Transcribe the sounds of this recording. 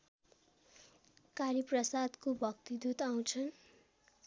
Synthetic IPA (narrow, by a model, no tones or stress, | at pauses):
kaɾiprʌsad̪kobʱʌkt̪id̪ut̪aw̃t͡sʰʌn